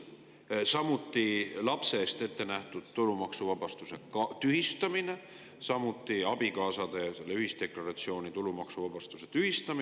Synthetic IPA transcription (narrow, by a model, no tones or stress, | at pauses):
sɑmut̪ˑːilɑpse̞ːst̪e̞t̪ːe̞næht̪ud̪̥t̪ulumɑksuvɑb̥ɑst̪use̞kt̪yɦist̪ɑmine̞ | sɑmut̪ːˑiɑb̥ikɑːsɑd̪̥e̞selːeyhist̪e̞klɑɾɑt̪sio̞ːnit̪ulumɑksuvɑb̥ɑst̪use̞t̪yhist̪ɑmi